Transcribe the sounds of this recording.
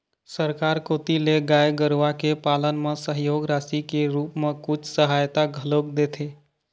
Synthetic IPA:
səɾkaɾkot̪ileɡajeɡəɾʋakepalənmesəɦjoːɡɾasikeɾupmekʊt͡ʃʰsəɦajt̪aɡʱəlok̚d̪et̪ʰe

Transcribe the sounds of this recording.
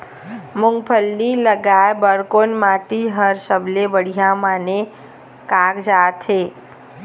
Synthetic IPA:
mʊ̃ŋɡpʰəlːiləɡaebəɽkonmaːʈiɦəɾsəblebəɽ̤ijamane | kaːkd͡ʒaːt̪ʰe

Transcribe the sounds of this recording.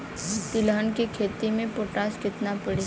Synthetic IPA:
t̪iləɦənkekʰeːt̪imẽpoːʈaːskɪt̪napɐɽi

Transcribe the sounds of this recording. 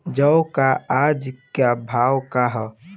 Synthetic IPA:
d͡ʒəwkaad͡ʒkjabʱawkaɦɔ

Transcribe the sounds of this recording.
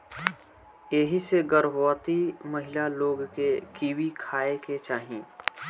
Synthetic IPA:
jeɦiseɡəɾbaːt̪imɐɦɪlaloːɡkekiːwikʰaːeket͡ʃaːɦĩː

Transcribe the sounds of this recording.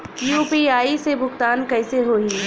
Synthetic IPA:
juːpiaːisebʱʊkt̪aːnkɐɪseɦoːĩ

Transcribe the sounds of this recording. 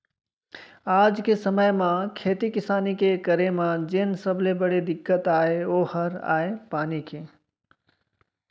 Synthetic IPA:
ad͡ʒkesəməjmakʰet̪ikisaːnikekəɾemad͡ʒensəblebəɽed̪ɪkːət̪aeohəɾa̰epanike

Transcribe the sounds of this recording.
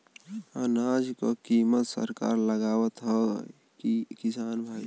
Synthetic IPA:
ənaːd͡ʒkokimət̪sə̰ɾka̰ːɾləɡaːwət̪ɦə | ikisaːnbʱaːi

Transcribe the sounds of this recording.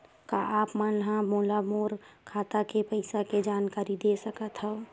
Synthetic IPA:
kaʔaːpmanlɦãmolamoːɾkʰaːt̪akepəɪsaked͡ʒaːnkaːɾid̪esəkət̪ɦɛ̃ʊ

